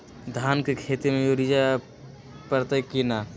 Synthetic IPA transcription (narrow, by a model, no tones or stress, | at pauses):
d̪ʱaːnkekʰeːt̪emẽjoɾid͡ʒa | pəɾt̪əkina